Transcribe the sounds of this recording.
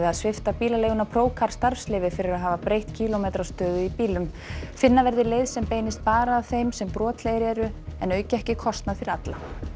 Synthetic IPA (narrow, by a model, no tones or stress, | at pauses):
ɪaðsvɪft̪apiːlalejɣʏnapʰɾoːwkʰaɾ̥st̪aɾslɪvɪfɪɾɪɾaðɦaːvapɾejht̪cʰiːlɔmejt̪ɾast̪œːðʏipiːlʏm | fɪnːavɛɾðɪleːjðsɛmpeːjnɪst̪̚paːɾaːðθejmsɛmpɾɔːt̪ʰlejɪɾɛɾʏɛnœːɥcɪɛhcɪkʰɔst̪naðfɪɾɪɾat̪la